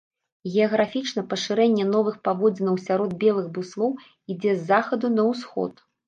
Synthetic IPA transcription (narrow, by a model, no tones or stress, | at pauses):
ɣʲɛɐɣɾafʲit͡ʂnɐpɐʂɨɾɛnʲːɛnɔvɨxpavɔd͡zʲinɐwsʲaɾɔd̪̚bʲɛlˠɨɣbuslˠɔw | id͡zʲɛzːaxɐd̪unɐwsxɔ̰t̪